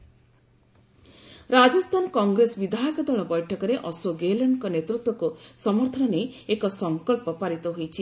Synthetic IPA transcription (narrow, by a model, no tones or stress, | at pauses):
ɾad͡ʒɔst̪ʰanɔkɔŋɡɾesbid̪ʱaɔkɔd̪ʱɔɭɔbɔjʈʰɔkɔɾeʔɔsoɡelɔɳɖkɔnet̪ɾut̪wɔkusɔmɔɾt̪ʰɔnɔneekɔsɔŋkɔlpɔpaɾit̪ɔɦujt͡ʃʰi